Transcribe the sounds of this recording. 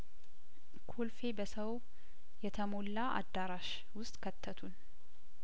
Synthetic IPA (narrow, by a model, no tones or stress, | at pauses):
kʰolfe̞bəsəw | jɛt̪ʰəmo̞lːaʔa̰d̪ːaɾaʃ | wʊst̪ʼkʰət̪ʰːət̪ʰun